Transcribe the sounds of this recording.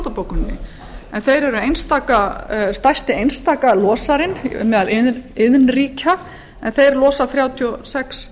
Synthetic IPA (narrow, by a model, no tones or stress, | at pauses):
t̪apowkʏnːɪ̰ | ɛnθejɾɛɾʏejnst̪aːkast̪ajst̪ɪejnst̪aːkalɔːsaɾɪnmɛːðalɪðɪðnriːca | ɛnθejɾlɔːsaθɾjaːwt̪ʰiɔsɛks